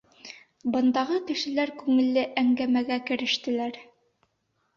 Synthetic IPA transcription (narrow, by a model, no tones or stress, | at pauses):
bɤ̆nd̪ɑʁɤkɘ̆ʃɘ̆læɾkʉŋɘ̆lːɘʔæŋɡæmæɡækɘ̆ɾɘ̆ʃt̪ɘ̆læɾ